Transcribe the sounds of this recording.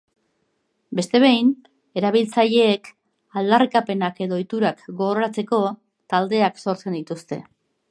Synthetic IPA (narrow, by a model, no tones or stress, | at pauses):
be̞st̪e̞β̞e̞jn | e̞ɾaβ̞ilt͡saʎe̞ːk | ald̪arikape̞nake̞ðo̞ːjt̪uɾakɡo̞ɣɾoɾat͡se̞ko̞ | t̪ald̪e̞akso̞ɾt͡se̞nd̪it̪ust̪e̞̰